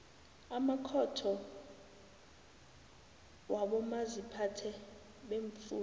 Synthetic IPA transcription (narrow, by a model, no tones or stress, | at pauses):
amakʰɔtʰɔ | waɓɔmazipʰatʰɛ | ɓeɱfuː